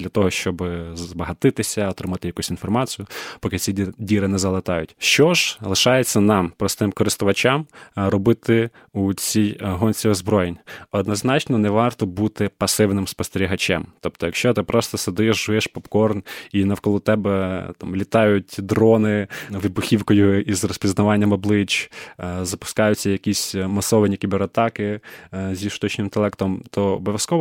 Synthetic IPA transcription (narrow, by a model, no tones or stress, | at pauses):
lʲɐt̪ɔɦɔʃt͡ʃɔbzbɐɦɐt̪ɪt̪ɪsʲɐɔt̪ɾɪmɑt̪ɪjɐkusʲinfɔrmɑt͡sʲijʊpɔkɪt͡sʲidʲiɾɪnɛzɐlˠɪt̪ɑjʊtʲʃt͡ʃɔʒ̥lˠɪʃɑjet͡sʲːɐnɑmpɾɔst̪ɪmkɔɾɪst̪ʊʋɐt͡ʃʲɑmrɔbɪt̪ɪ | ut͡sʲijɦɔnʲsʲiɔzbɾɔjenʲɔd̪nɔznɑt͡ʃnɔnɛʋɑrt̪ɔbut̪ɪpɐsɪwnɪmspɔst̪eɾʲiɦɐt͡ʃʲɛ̰mt̪ɔp̚t̪ɔjɐkʃt͡ʃɔt̪ɪpɾɔst̪ɔsed̪ɪʃʒʊʋɛʃpɔpkɔrninɐwkɔlˠut̪ɛbɛt̪ɑmlʲit̪ɑjʊtʲd̪ɾɔnɪʋɪbʊxʲiwkɔjʊizrɔspʲiznɐʋɑnʲːɐmɔblˠɪt͡ʃ | zɐpʊ̥skɑjʊt͡sʲːɐjɐkʲisʲmɐsɔʋɐnʲikʲibeɾɐt̪ɑkɪzʲiʃt̪ɔt͡ʃnʲɪmt̪elˠɛkt̪ɔmt̪ʰɔɔ̰bɔʋʲjɐskɔʋ